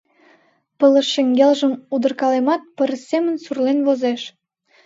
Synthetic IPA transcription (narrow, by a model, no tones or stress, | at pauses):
pələ̆ʃːeŋɡelʒəmud̪ərkɑlemɑt̪̚pəɾəsemənsurlenβozeʃ